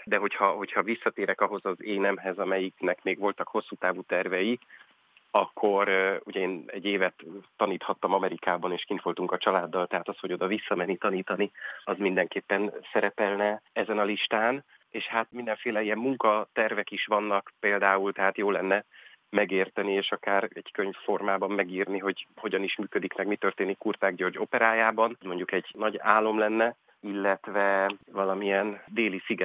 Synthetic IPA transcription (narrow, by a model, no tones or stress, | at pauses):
d̪ɛɦo̞chɒɦo̞cʰhɒvisːɒt̪eːɾɛkɒɦo̞zɒzeːnɛmɦɛzɒmɛjiknɛkmeːɡʋo̞lt̪ɒkho̞sːuːt̪aːvuːt̪ɛrvɛji | ɒkʰːo̞ɾuɟɛeːnɛɟːeːvɛt̪ːɒniːt̪hɒt̪ːɒmɒmɛɾikaːbɒneːʃkint̪ʋo̞lt̪uŋkɒt͡ʃɒlaːd̪ːɒlt̪ɛɦaːt̪ɒsho̞ɟo̞d̪ɒvisːɒmɛnːit̪ɒniːt̪ɒniɒzmind̪ɛŋkeːpːɛnsɛɾɛpɛlnɛɛzɛnɒliʃt̪aːn | eːʃhat̪mind̪ɛɱfeːlɛijɛmːuŋkɒt̪ɛrvɛkiʃʋɒnːɒkpeːld̪aːult̪ɛɦaːt̪joːlːɛnːɛ | mɛɡeːrt̪ɛnieːʃɒkaːɾɛɟ̥køɲfːo̞rmaːbɒmːɛɡiːrniɦo̞ɟho̞ɟɒniʃmyːkød̪ikmɛɡmit̪ø̞rt̪eːnikːurt̪aːɡɟørɟo̞pɛɾaːjaːbɒnzmo̞ɲɟukɛɟnɒɟaːlːo̞mlɛnːɛ | ilːɛt̪vɛvɒlɒmijɛnd̪eːlisiɡɛ